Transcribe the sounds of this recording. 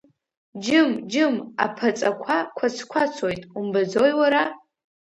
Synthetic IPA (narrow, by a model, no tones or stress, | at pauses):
d͡ʒɨmd͡ʒɨma̰pʰat͡sʼakʷʰakʷʰat͡sʰkʷʰat͡sʰojtʼumbad͡zojwaɾa